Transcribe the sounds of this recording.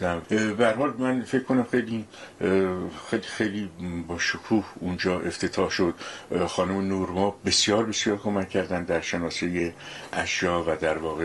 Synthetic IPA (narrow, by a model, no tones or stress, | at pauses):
æbehæɾhɒːlmænfe̞kʰːko̞næmxejli | xejlixejliːbɒːʃokʰuːhund͡ʒɒːʔe̞ft̪ʰe̞t̪ʰɒːhʃod̪̥xɒːnumenuːɾmɒːbe̞sjɒːɾbe̞sjɒːɾkʰo̞mækʲʰːæɾd̪ænd̪d̪æɾʃenɒːsejeʔæʃjɒːvæd̪æɾvɒːɣe